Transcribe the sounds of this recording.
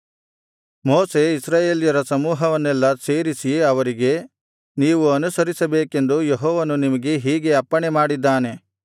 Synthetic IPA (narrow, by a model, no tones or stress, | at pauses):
moːse̞isɾaːjeːlijɐɾɐsɐmuːɦɐʋɐnːɛlːɐseːɾisiɐʋɐɾiɡe̞ | niːʋuɐnusɐɾisɐbeːke̞nd̪ujeɦɔːʋɐnunimɐɡe̞ɦiːɡe̞ɐpːɐɳemaːɽid̪ːaːne̞